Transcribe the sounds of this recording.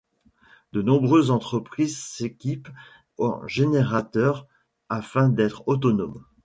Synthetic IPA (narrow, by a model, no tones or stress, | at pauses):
d̪ənɔ̃bʁøzːɑ̃t̪χəpχizsekʲip | ɔ̰ʒeneʁat̪œːʁ | afɛ̃d̪ɛt̪χot̪̬ɔnɔm